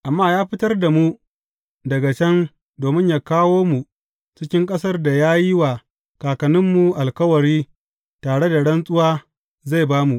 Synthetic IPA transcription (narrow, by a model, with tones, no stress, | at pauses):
ʔa˨mːaː˦jaː˦ɸɪ˦tɐ˦rda˨mu˦ | dɐ˨ɡa˨t͡ʃɐ˦n | doː˨mɪ˦ɲjaː˦kaː˦woː˦mu˨ | t͡ʃɪ˦kʲɪ˦ŋkʼɐ˦sɐ˦rda˨jaː˦ji˦waː˨ | kaː˨kɐ˨nɪ˦mːu˨ʔa˨lkɐ˦wɐ˨ɽiː˦ | taː˨ɽe˦da˨ɽɐ˦nsʼʊ˦waː˦ | za˦˨jbaː˦mu˨ʔ